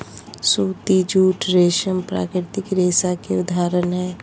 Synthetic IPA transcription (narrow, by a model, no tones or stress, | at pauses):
suːt̪id͡ʒuːʈɾeːʃəmpɾa̰ːkɾɪt̪ɪkɾeːsakeʊd̪ʱaːɾənɦɛː